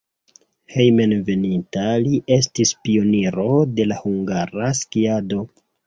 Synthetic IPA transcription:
hejmenve̞nintaliʔe̞stispio̞niɾo̞de̞lahuŋɡaɾaskiado̞

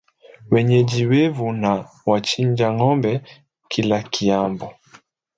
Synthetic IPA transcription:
wɛɲɛd͡ʒiwɛvuna | wat͡ʃiɲd͡ʒaŋɔmbɛ | kʰilakiambɔ

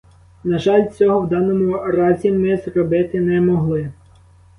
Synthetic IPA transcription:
nɐʒɑlʲt͡sʲɔɦɔwd̪ɑnɔmʊɾɑzʲimɪzrɔbɪt̪ɪnɛmɔɦlˠɪ

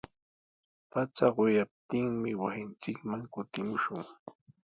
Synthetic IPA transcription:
pat͡saɢojap̚t̪ɪŋmɪwasɪnt͡ʃɪkmaŋkʊt̪ɪmʊʃʊŋ

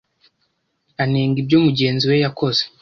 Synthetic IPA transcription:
aneːŋɡibjoːmuɟe̞ːnziwe̞jako̞ze

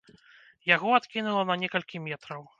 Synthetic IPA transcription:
jaɣɔat̪kʲinulˠɐnɐnʲɛkɐlʲkʲimʲɛt̪ɾɐw

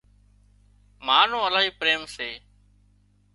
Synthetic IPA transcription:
maːn̤õːəlaːɦiːpɾeːmseː

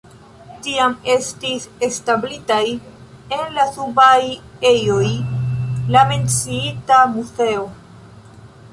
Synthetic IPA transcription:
tiame̞stise̞stablitaj | e̞nlasubaje̞jo̞j | lame̞nt͡siitamuse̞o̞

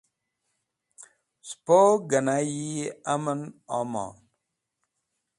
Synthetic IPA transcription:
spoɡənajiamənɔmɔ̰ːn

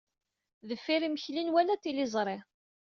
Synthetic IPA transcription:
ðəfːiɾiməçlinwælæt̪ːilɪzˤɾˤe

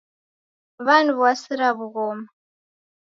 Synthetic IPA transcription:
βanuβwasiɾaβuɣɔma

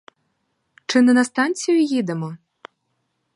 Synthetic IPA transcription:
t͡ʂɨnɨnɐst̪ant̪t͡sʲijʊjid̪ɛmɔ

